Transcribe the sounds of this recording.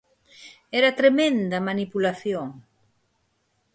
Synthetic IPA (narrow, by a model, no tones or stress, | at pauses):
ɛɾat̪ɾemẽnd̪ɐmanipulaθjoŋ